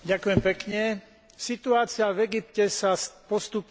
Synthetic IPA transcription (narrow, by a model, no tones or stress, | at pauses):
ɟakujɛmpɛkɲɛ | sit̪uaːt͡sɪavɛɡipcɛsaspɔst̪up